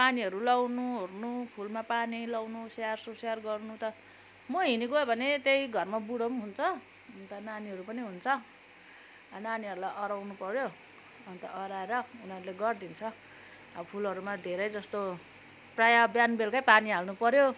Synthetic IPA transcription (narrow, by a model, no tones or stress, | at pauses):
paniɦʌɾulʌwnuɦrnupʰulmapanilawnusejarsosejarɡʌrnut̪ʌ | mʌɦiniɡoobʱʌnet̪ejɡʱʌrmabuɽomɦunt͡sʰʌ | t̪ʌnaniɦʌɾupʌniɦunt͡sʰʌ | naniʌɾulajʔʌɾawnupʌɾjo | ʌnt̪ʌʔʌɾaeɾʌunʌɾuleɡʌrd̪int͡sʰʌ | pʰulɦʌɾumad̪ʱeɾʌjd͡zʌst̪o | prajabjanbelkajpaniɦalnupʌɾjo